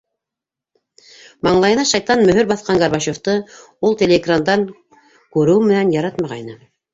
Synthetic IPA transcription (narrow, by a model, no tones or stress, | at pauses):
mɑɴlˠɑjɤ̆nɑʃɑjt̪ɑnmɵ̆ɦɵɾbɑθqɑŋɡɑɾβɑʃoft̪ɤ | ulˠt̪ʲelʲeɡrand̪ɑŋ | kʉɾɵwɘmɘ̆nænjɑɾɑt̪mɑʁɑjnɤ